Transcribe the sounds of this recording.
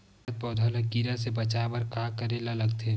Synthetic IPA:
t̪̚pɔːd̪ʱɔləɡiːɾasebɐt͡ʃaːbɐɾkaːkɐɾelalɐɡt̪e

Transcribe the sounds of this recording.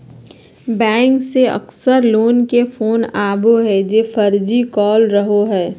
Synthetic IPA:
bɛ̃ːŋkseɐ̰ksəɾloːnkefoːnaːboɦɛd͡ʒeːfɐɾd͡ʒikɔːlɾɐɦoɦɛː

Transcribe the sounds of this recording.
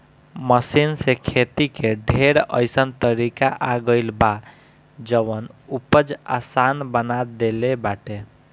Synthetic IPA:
məsinsekʰet̪ikeɖʱeɾə̰jsənt̪əɾikaʔaɡəɪlba | d͡ʒəβənupəd͡ʒasanbənad̪elebaʈe

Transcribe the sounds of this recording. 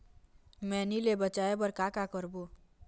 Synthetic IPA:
mɛ̃ːnilebət͡ʃaːebəɾkakakəɾbo

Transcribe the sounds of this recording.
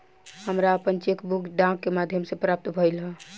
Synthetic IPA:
həmɾaəpənt͡ʃekbukɖãkːemad̪ʱjəmsepɾap̚t̪bʱəjlɦə

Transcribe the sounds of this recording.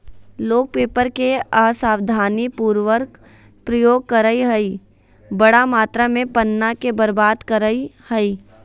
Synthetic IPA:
loːk̚peːpəɾkeəsaːwd̪ʱaːnipuːɾʋəɾk | pɾəjoːɡ̚kəɾəiɦəi | bəɽamaːt̪ɾamẽpənːakebəɾbaːd̪kəɾəihəiː

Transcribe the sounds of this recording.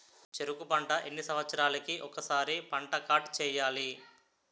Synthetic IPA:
t͡ʃeɾukupɐɳʈɐʔenːisɐmɐt̪sɐɾaːlɐkiʔɔkɐsaːɾipɐɳʈɐkaːɾʈt͡ʃɛːjaːli

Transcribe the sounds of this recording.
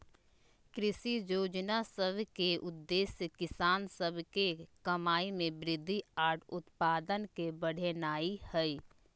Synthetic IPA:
kɾɪsijoːd͡ʒnasəbʱkeʔʊd̪ːeːsjəkɪsaːnsəbʱkekəmaːimẽbɾɪd̪ʱːiaːɾʈʰʊt̪paːd̪ənkebəɽ̤enaːihɛi

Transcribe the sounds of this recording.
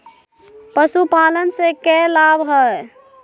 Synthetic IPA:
pəsupalənsekɛlabɦə

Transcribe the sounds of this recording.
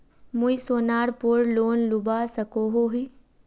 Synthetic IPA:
mujsonaɾpoɽloːnlubasəkoɦoɦi

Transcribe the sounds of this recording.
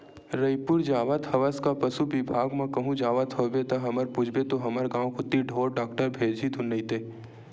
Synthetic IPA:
ɾəjpʊɾd͡ʒaːʋət̪həʋəskapəsuʋɪbʱaːɡmãkəɦũd͡ʒaːʋət̪ʰɦobet̪ɐɦəməɾpud͡ʒʰʱbet̪oɦəməɾɡãːwkʊt̪iɖʱoːɾɖaːkʈəɾbʱeːd͡ʒʱit̪ɦunəit̪e

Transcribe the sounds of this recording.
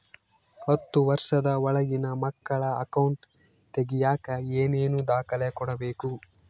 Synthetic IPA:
hot̪ːuʋɐɾʂɐd̪ɐɔɭɐɡinɐmɐkːɐɭɐɐkɐwɳʈ | t̪e̞ɡijaːkɐeːneːnud̪aːkɐlekɔɽɐbe̞ːku

